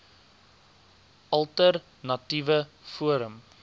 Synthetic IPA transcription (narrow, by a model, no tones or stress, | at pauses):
ʔɐlˠtər | nɐtivəfuəɾəm